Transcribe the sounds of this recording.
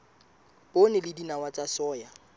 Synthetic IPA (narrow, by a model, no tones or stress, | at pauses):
pʼonɪlɪdinawat͡sʼasɔːja